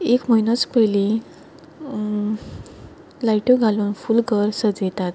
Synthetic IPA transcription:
ekm̤əjnət͡spəjli | lajʈoɡʱaluːnfulɡəɾsəd͡zet̪at̪

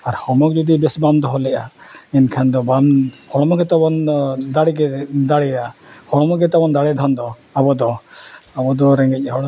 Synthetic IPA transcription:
aɾhɔmɔk̚d͡ʒud̪ibɛsbamd̪ɔɦɔlɛʔaɛnkʰand̪ɔbamhɔɽɔmɔkɛt̪abɔnd̪aɽiɡɛd̪aɽɛjahɔɽɔmɔɡɛt̪abɔnd̪aɽɛd̪ʱɔnd̪ɔ | abɔd̪ɔabɔd̪ɔɾɛŋɡɛc̚ˀɦɔɽ

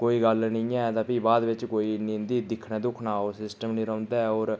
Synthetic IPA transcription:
koːiːɡəlnəĩːɛːt̪ãːpiːbaːd̪ʋɪt͡ʃkoːiːnĩnd̪iːd̪ɪkʰːnẽːd̪ʊkʰnaːoːsɪsʈəmnĩːɾə̃ːnd̪aːɛoːɾ

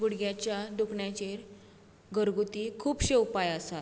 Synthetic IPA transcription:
ɡuɽɡjat͡ɕjad̪ukʰɳjat͡ɕeɾ | ɡəɾɡut̪iːkʰuːpɕewpajasat̪

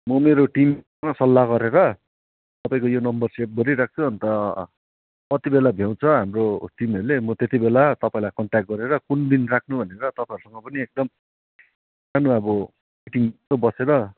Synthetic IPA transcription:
mʌmeɾoʈim | ŋʌsʌlːaɡʌɾeɾʌ | t̪ʌpaĩkojonʌmbʌrsep̚ɡʌɾiɾak̚ʰt͡sʰʌʌnt̪ʌ | kʌt̪ibelabʱjaw̃t͡sʰʌɦamroʈimʌɾlemʌt̪et̪ibelat̪ʌpaĩlajkʌɳʈak̚ʈ̚ɡʌɾeɾʌkund̪inrak̚ʰnubʱʌneɾʌt̪ʌpãjɦʌɾusʌŋʌpʌniek̚d̪ʌm | anuʌbʌ | ʈimt̪obʌseɾʌ

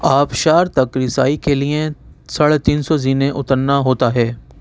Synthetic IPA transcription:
aːpʃaːɾt̪ɐkɾɪsaːikʰeliẽsɐɭt̪iːnsɔziːnẽʔʊt̪əɾnaɦoːt̪aɦɛː

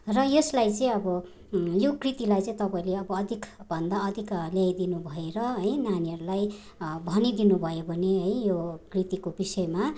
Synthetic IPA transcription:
rʌjeslajt͡sʌ̃ĩʌbʌ | jokrit̪ilajt͡sʌ̃ĩt̪ʌpaĩleʌbʌːd̪ʱikbʱʌnd̪aʌd̪ʱikljajd̪inubʱʌeɾʌɦʌjnaniɦʌɾulaj | bʱʌnid̪inubʱʌjobʱʌneɦʌjjokrit̪ikobisʌema

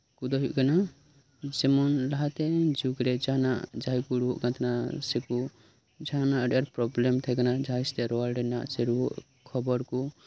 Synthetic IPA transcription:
kud̪ɔɦuʔɡena | d͡ʒemɔnlaɦat̪ed͡ʒukɾed͡ʒana̰d͡ʒajkuɾuʔɡãt̪ʰnaseku | d͡ʒanaɖeɾpɾɔblemt̪ʰɛɡenad͡ʒʱajst̪eɾɔalɖena̰ʔseɾuʔ | kʰɔbɔɾku

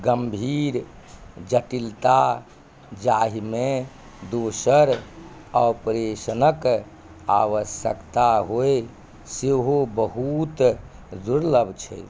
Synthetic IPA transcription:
ɡəmbʱiɾ | d͡ʒəʈilt̪a | d͡ʒaɦime | d̪osəɾ | aəwpɾesnək | a̰ʋəsjə̰kt̪aɦoe | seɦobəɦut̪ | d̪uɾləbt͡ʃʰɛ̰j

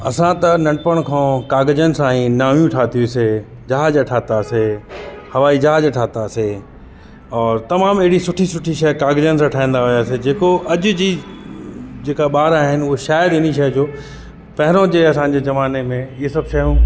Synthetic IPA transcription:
ɐ̰sãt̪ɐnɐ̃ʈɖpəɽ̃kʰãːkaːɡd͡ʑənsãːĩnaːʋjũʈʰaːt̪ʰiuse | d͡ʑɐɦaːd͡ʑaʈʰaːt̪aːsehɐʋaːid͡ʑɐɦaːd͡ʑaʈʰaːt̪aːse | ɔːɾt̪ɐmaːmɪɦɪɽisʊʈʰisʊʈʰiʃɐjkaːɡd͡ʑənsãʈʰaːĩːnd̪aɦʊjaːsed͡ʑeːkoʔɐʄʊ̆d͡ʑiː | d͡ʑeːkaɓaːɾaːɦɪnɪ̆ʊɦoʃaːjɪɾɪniʃ̬ɐɦd͡ʑoː | pɐɦɪɾõd͡ʑeːɐsãd͡ʑeːzɐʋaːnemẽɪːesɐbʃɐɦũː

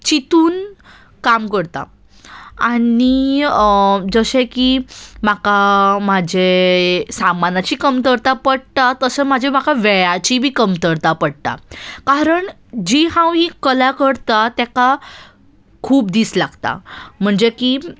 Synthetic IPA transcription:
t͡ɕit̪uːn | kamkəɽt̪a̰ | ani | d͡zəɕẽkimakamad͡ʑesamanat͡ɕiːkəmt̪əɾt̪apəɽt̪at̪əsemad͡ʑʱem̤akaʋeɭat͡ɕibʱiːkəmt̪əɾt̪apəɽt̪a̰kaɾəɳ | d͡ʑiɦãwĩkəlakəɽt̪at̪ɛka | kʰuːp̚d̪islaɡt̪a̰m̤əɳd͡zeki

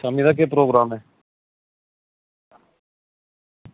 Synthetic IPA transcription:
saːmiːd̪aːk̬eːpɾoːɡɾaːmɦɛː

